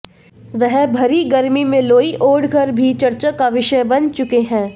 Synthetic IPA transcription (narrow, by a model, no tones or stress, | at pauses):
ʋɛɦbʱɐɾiɡɐɾmimẽloːiʔoːɽɡʱɐɾbʱit͡ʃɐɾt͡ʃakaʋɪʃəjbɐnt͡ʃʊkeɦɛ̃ː